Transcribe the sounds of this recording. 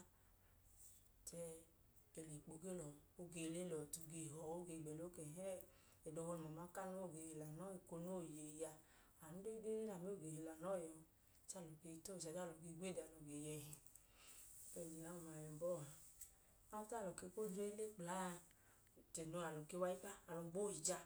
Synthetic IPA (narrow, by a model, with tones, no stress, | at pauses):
t͡ʃɛ˧ | e˨le˨k͡po˨ɡe˦lɔ˨o˦ɡe˧le˦lɔ˨tu˧ɡe˧˨ɦɔ˨o˦ɡe˧˨ɡ͡bɛ˨lo˦kɛ˨ɦɛ˦ | e˨do˧hɔ˧˨mɔ˨ma˨˦ka˦˨no˦˨ɡe˨he˨la˨nɔ˦i˨ko˧no˦˨je˨ja˧ | a˨nu˦de˦ɡe˦na˨me˦o˨ɡe˨he˨la˨nɔ˦˨jɔ˧˨ | t͡ʃa˦˨lo˨ke˧˦to˦˨t͡ʃa˨da˦˨lo˨ɡe˧˦ɡʷe˦˨da˨lo˨ɡe˨jɛ˧hi˨ | pɛ˨li˨la˨˦˨ma˨jɛ˨bɔ˦˨ | a˦ta˦˨lo˨ke˧˦ko˦de˦i˦le˦k͡pla˨˦˨ | t͡ʃɛ˨no˧˦a˨lo˨ke˧˦wa˧˦i˦ka˦a˨lo˨ɡ͡bo˦˨i˨d͡ʒa˧